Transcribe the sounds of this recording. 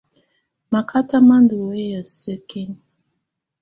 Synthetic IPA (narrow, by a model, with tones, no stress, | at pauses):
ma˨kʰa˦ta˦ma˦ndu˨we˦ja˨sə˦ke˦n